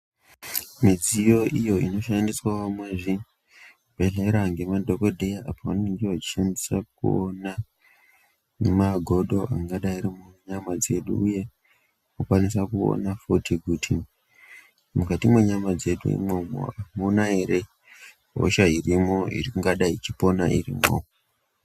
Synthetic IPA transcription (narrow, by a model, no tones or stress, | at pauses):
mid͡zijo̞ʔijo̞ino̞ʃandiswaʋamwe̞ːʐi | paɮaiɾaːŋɡe̞madʱokodʱejaʔapaaniŋɡewat͡ʃi̥ʃandisak̚ṵona | maɡʱo̞ɗo̞ʔaŋɡaɗaiɾimuɲamad͡ze̞ɗṵuje̞ | okwanisakuo̰nafotʰikutʰi | mukatimweɲamad͡ze̞ɗṵḭmomo̰amonaeɾe | ɦo̰ʃairimo̞ḭriuŋɡaɗait͡ʃipo̞naʔḭrḭmo̰